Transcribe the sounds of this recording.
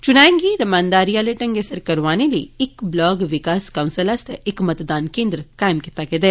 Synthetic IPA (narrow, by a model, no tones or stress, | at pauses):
t͡ʃʊnaːẽŋɡiɾɐmãːnd̪aːɾijaːleʈɐ̃ŋɡesəɾkɐɾʋaːnelḭɪkblɔːɡʋɪkaːskɐʊ̃nsəlɐst̪ʰʔɪkmɐt̪d̪aːnkẽːnd̪ɾəkaːɪmkit̪aked̪eː